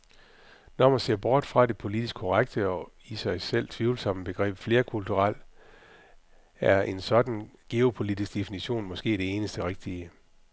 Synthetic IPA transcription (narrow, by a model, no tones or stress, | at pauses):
nɒmænse̝ɐ̰b̥ɒːd̥fʁɑ̈ɾe̝pʰo̝lid̥isɡ̥̚kʰɒʁaɡ̥d̥əɒ̽ | isɑ̈ɪsel̰t͡sʰʋiʊl̩sɒ̽m̰əb̥e̝ɡ̥ʁɛ̰ːb̥fle̝ːɐkʰult͡sʰuʁɑl̰ | æɐʔe̝nsɒ̽d̥n̩ɡ̥e̝opʰo̝lid̥isɡ̥d̥e̝finiɕo̝̰ːnmɒ̽sɡ̥e̝̰ːd̥e̝e̝ːnəsd̥əʁeɡ̥̚d̥iə